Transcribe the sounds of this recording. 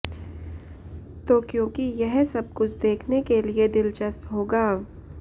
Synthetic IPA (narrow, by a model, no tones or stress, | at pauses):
t̪oːkjõːkijɛɦsɐb̚kʊt͡ʃʰd̪eːkʰnekelied̪ɪlt͡ʃɐst̪ɦoːɡaː